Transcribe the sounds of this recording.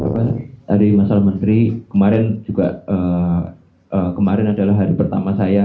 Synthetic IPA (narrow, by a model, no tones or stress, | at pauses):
a̰paaɾimasalahmənt̪ɾikəmaɾɪnd͡ʒuɡaʔəː | ʔəːkəmaɾɪnadalaɦːaɾipərt̪a̰masaja